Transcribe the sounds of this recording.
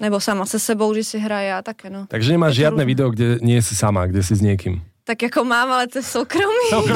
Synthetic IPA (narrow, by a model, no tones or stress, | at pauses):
nɛbosamasɛsɛbowɡʒɛsɪɦɾajjaːt̪akɛnot̪aɡʒɛɲɛmaːʒʒɪad̪nɛʋid̪ɛɔɡɟɛɲɪɛɛsisamaɡɟɛsizɲɪɛkimt̪akjakomaːmalɛt͡sɛsːowkɾomiː